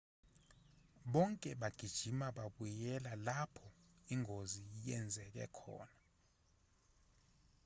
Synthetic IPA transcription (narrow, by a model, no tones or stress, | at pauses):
ɓɔŋkʼɛɓaɡ̥ʱid̥ʒ̥ʱimaɓaɓujɛlalapʰɔiŋoziijɛnd͡zʱɛk̬ɛ̰kʰɔ̰ːna